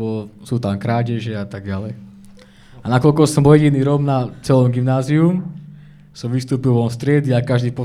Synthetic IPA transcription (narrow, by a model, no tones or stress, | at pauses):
ɔsut̪amkɾaːɟɛʒɛat̪aɡ̚ɟalɛj | anakɔlkɔsɔmɔjɛɟiniːɾɔɡnat͡sɛlɔmɡimnaːzium | sɔmʋist̪uːpilʋɔnst̪ɾɪɛd̪iakaʒd̪iːpɔ